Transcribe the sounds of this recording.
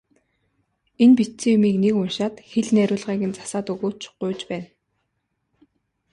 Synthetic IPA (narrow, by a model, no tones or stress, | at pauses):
enpit̪t͡sĭːjʊmiːknekʊnʃaːt̪xeɮnæɾʲʊːɮʁiːɣɘ̆nt͡sḁsaːt̪ɵɣoːt͡ɕʰɢ̥ʊjt͡ɕpæːn